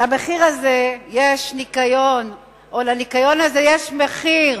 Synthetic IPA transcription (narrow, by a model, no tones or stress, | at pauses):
lameχiʁazejeʃnikajon | olanikajo̞nazejeʃmeχiʁ